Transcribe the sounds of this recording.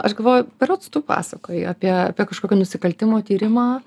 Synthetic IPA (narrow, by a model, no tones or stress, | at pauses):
ɐʃɡɐlˠʋoːjʊpʲɛɾoːt̪st̪uːpɑ̰ːsɐkoːjɪɐːpʲiɛɐ̰ːpʲiɛkɐʃkoːkʲɛnʊsʲɪkɐlʲt̪ʲɪmoːt̪ʲiːɾʲɪmɑː